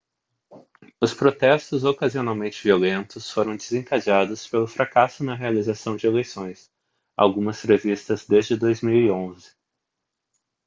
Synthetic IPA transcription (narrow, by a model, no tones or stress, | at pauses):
ʊspɾot̪ɛst̪ʊzokazionawmẽnt͡ʃɪviolẽnt̪ʊsfoɾɐ̃w̃d͡ʒ̪ɪzẽŋkaʒad̪ʊspelʊfɾakasʊnɐɦealizasɐ̃w̃d͡ʒɪelejsõj̃s | a̰wɡũmɐshevist̪ɐzd̪ezd͡ʒɪd̪ojzmiwiõzɪ̥